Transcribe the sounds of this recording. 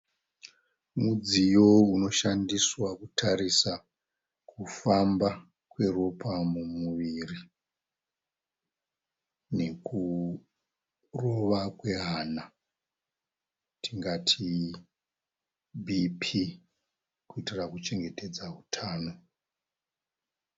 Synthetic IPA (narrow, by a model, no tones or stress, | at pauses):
mud͡zijo̞uno̞ʃandiswakutʰaɾisa | kufamba | kwe̞ro̞pʰamumuʋiri | ne̞ku | ro̞ʋakwe̞ɦaːna | tiŋɡatʰi | bʱipʰi | kuitirakut͡ʃe̞ŋɡe̞te̞d͡zautʰaːno̞